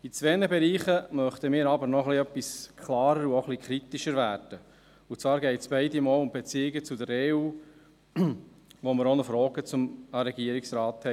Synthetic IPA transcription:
it͡sveːnəbeɾiːχəmœχt̪əmiːɾɑbəɾnɔχliœpːiskʰlɑːɾəɾuoχlikʰɾit̪iʃəɾvæːɾd̥ə | ut͡svɑːɾɡɛɪtsb̥ɛɪdimɔːlʊmbet͡siɪɡət͡sudəɾeuː | ʋoməɾonəfɾɔːɡ̥ət͡sʊməɾɛɡiəɾiksɾɑːt̪hɛ

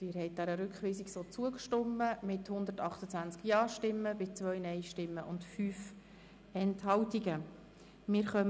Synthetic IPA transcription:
tɪːɾhɛɪt̚dæɾəɾʉkʰχʋiːsiksot͡suəkʃtʊmːəmɪthʊnd̪əɾtɑχt̪ət͡sʋænt͡skjɑːʃtɪmːəbɪt͡svœʏnɛjʃtɪmːəʔʊntfyːf | ɛnthɑwtiɡə | mɪːɾχœm

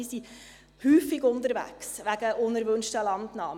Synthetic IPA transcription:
isi | hyːfɪɡʊntəɾʋæ̰ksʋæɡ̥əʔʊnəɾʋɵnʃtəlɑntnɑː

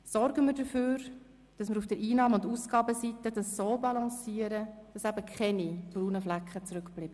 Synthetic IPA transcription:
sɔɾɡəmɪɾd̥əføːɾ | d̥ɑsmɪɾufd̥əɾʔiːnɑːmʊndusɡ̥ɑːbəsitədɑsːoːbɑlɑ̃siːəɾəd̥ɑsæbəkʰχɛnib̥ɾuːnəflækχət͡sɾʉkb̥lɪbə

